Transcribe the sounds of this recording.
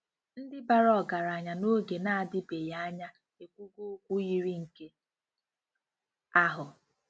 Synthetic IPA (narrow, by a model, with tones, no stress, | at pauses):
n̩˦dɪ˦ba˨ɾɔ˦˨ɡa˨ɾa˨ɲa˨no˦ɡe˨na˦a˨dɪ˦be˨ja˦a˦ɲa˦ | e˨kʷu˦ɡʷu˦kʷu˦ji˦ɾi˦ŋ̩˨ke˦ | a˦ɦʊ˨